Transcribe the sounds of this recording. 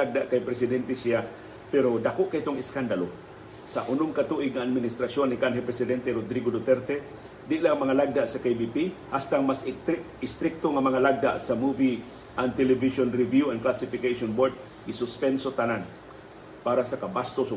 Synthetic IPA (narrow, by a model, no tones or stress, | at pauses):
aɡ̚d̪aʔkajpɾɛsɪd̪ɛnt̪ɛsɪa | pɛɾod̪akoʔkait̪oŋɪskand̪alo | saʔʊnʊmkat̪uʔɪɡ̚ŋaʔad̪̚mɪnɪst̪ɾasjonːɪkanɦɛpɾɛsɪd̪ɛnt̪ɛɾod̪ɾiɡod̪ot̪ɛɾt̪ɛ | d̪ɪʔlamɐŋalaɡ̚d̪aʔsakejbipihast̪aŋmas | ɪst̪ɾɪk̚t̪oŋamɐŋalaɡ̚d̪a̰ʔsamuvi | ʔant̪ɛlɛviʃonɾɪvjuɐnklasɪfɪkejsonboɹd̪̚ | ɡɪsʊspɛnsot̪anan | paːɾasakabast̪osʊ